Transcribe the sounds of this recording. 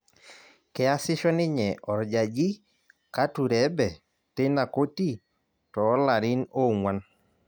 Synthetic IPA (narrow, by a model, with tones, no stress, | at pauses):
kɛ˨a˦sɪ˦ʃɔ˦nɪ˦ɲɛ˨ʔɔ˨ɾd͡ʒa˨d͡ʒi˦ | ka˦tu˨ɾɛ˦bɛ˨ | tɪ˦na˨ko˦ti˦˨ | tɔː˨˦la˨ɾɪ˦no˦˨ŋwa˦n